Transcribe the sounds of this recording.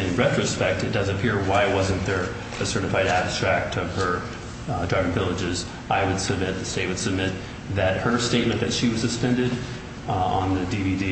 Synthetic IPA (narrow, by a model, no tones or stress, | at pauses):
ɨ̃nɹɛt͡ʃɹ̥ɨspɛk̚tɨt̚d̥ʌzɨpʰɪɹwaɪwʌzɨ̃nðə˞ | ɨsɜ˞ɾɨfaɪɾæb̥stɹ̥æk̚tʰʌv̥ə˞ | dɹaɪvɨ̃ŋvɪlˠəd͡ʒɪz | aɪwəd̥sɨb̚mɪt̪̚ðɨsteɪwɨd̥sɨb̚mɪt̪̚ | ðɨt̚hə˞steɪt̚mɨ̃nðɨtʃiwʌz̥sɨspɛ̃ndɨɾ | ə̃nðɨdividi